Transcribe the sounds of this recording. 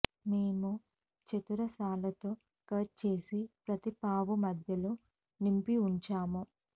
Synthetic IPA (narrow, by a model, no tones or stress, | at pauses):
me̞ːmu | t͡ʃɐt̪uɾɐsaːlɐt̪o̞ː | kɐːʈ̚t͡ʃe̞ːsipɾɐt̪ipaːʋumɐd̪ʱjɐloː | nimpiuɲt͡ʃaːmu